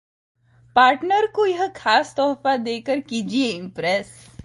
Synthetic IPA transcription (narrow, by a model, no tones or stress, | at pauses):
paːɾʈnəɾkojɐɦkʰaːst̪ɔːfad̪eːkəɾkiːd͡ʒieɪ̃mpɾɛs